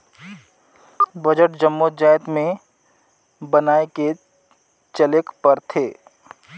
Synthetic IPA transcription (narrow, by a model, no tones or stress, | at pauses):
bəd͡ʒəʈd͡ʒəmːod͡ʒaːjt̪mẽ | bɐnaːeke | t͡ʃəlɪkpəɾt̪ʰeː